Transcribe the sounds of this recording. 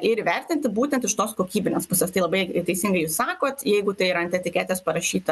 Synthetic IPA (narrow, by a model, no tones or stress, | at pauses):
ɪɾʋʲɛɾʲt̪ʲɪnʲt̪ʲɪbuːt̪ʲɛnt̪ɪʃt̪oːskoːkʲiːbʲɪnʲeːspʊsʲɛːst̪ɐɪlˠɐbɐɪt̪ʲɛɪsʲɪŋɡɐɪjuːssɑːkoːt̪jɛɪɡʊt̪ɐɪɾɐnʲt̪ʲɛt̪ʲɪkʲæːt̪ʲeːspɐɾɐʃʲiːt̪ɐ